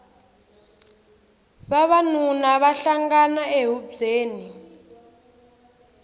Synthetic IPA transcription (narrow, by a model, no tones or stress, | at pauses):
βaβanunaβaɬaŋɡanaeɦuzeːni